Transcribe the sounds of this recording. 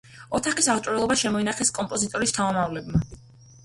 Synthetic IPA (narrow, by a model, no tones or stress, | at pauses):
ɔt̪ʰaχisaʁt͡ʃʼɔɾɛlˠɔbaʃɛmɔinaχɛskʼɔmpʼɔzit̪ʼɔɾist̪ʰamamavlɛbma